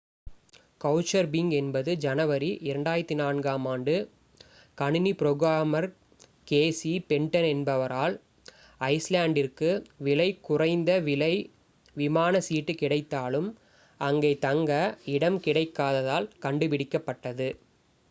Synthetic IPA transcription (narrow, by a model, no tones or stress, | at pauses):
kɐʊt͡ʃːɐɾbɪŋɡɛnbɐðɯd͡ʒɐnɐʋɐɾiʔɪɾɐɳɖaːjɐɾɐt̪ːinaːnɡaːmaːɳɖɯ | kɐɳɪnipɪɾoːɣɾaːmɐɾ | keːsipɛɳʈɐnɛnbɐʋɐɾaːl | ɐɪslaːɳɖɪrkɯʋɪlɐɪkʊrɐɪnd̪ɐʋɪlɐɪ | ʋɪmaːnɐsiːʈːɯkɪɽɐɪt̪ːaːlɯm | ɐŋɡeːt̪ɐŋɡɐɪɽɐmkɪɽɐɪkːaːðɐðaːlkɐɳɖɯpɪɽɪkːɐpːɐʈːɐðɯ